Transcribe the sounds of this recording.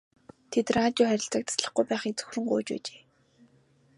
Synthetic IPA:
t̪ʰet̪raːt̪ʲjʊːχæɾʲɪ̆ɬt͡sə̆k̚t̪ʰḁsɮə̆χɡujpæːχit͡sɵ̥xrɵ̆ŋɢo̰ːt͡ɕpæ̰ːt͡ɕe̥ː

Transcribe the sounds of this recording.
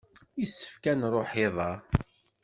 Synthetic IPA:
isːə̥fkænrˤoħɪðˤɑ

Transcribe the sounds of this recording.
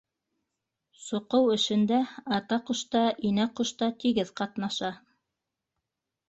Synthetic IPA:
sŏqɤwɘ̆ʃɘ̆nd̪æɑt̪ɑqŏʃt̪ɑʔinæqŏʃt̪ɑt̪iɡɘðqɑt̪nɑʃɑ

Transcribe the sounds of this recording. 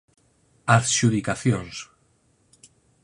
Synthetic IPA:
aθʃuðikaθjons

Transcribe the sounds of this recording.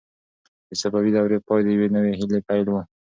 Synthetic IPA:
d̪əsabawid̪awɾeqod̪əjwenəweɦɪlepajlwə

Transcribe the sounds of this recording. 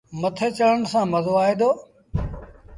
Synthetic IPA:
mət̪ʰeːt͡ʃələnsãːməzoːaːɦeːd̪oː

